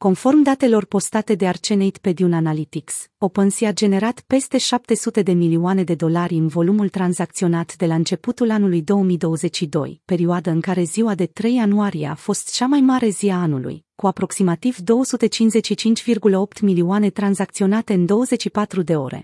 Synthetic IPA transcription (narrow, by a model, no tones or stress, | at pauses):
ko̞nfo̞rmd̪at̪e̞lo̞rpo̞st̪at̪e̞d̪e̞art͡ʃenejt̪pe̞d̪iunanalit̪ikso̞pənsiad͡ʒe̞ne̞ɾat̪pe̞st̪e̞ʃap̚t̪e̞sut̪e̞d̪e̞miliuane̞d̪e̞d̪o̞laɾʲɨnvo̞lumult̪ɾanzak̚t̪sio̞nat̪d̪e̞laɨnt͡ʃe̞put̪ulanulujd̪o̞wəmijd̪o̞wəze̞t͡ʃʃid̪o̞̰jpe̞ɾiuad̪əɨŋkaɾe̞ziwad̪e̞t̪ɾe̞januaɾieafo̞st̪t͡ʃamajmaɾe̞ziaanṵlṵjkuapɾo̞ksimat̪ivd̪o̞wəsut̪e̞t͡ʃinzet͡ʃʃit͡ʃint͡ʃʲvirɡuləo̞p̚t̪miliuane̞t̪ɾanzak̚t̪sio̞nat̪e̞ɨnd̪o̞wəze̞t͡ʃʃipat̪ɾud̪e̞o̞̰ɾḛ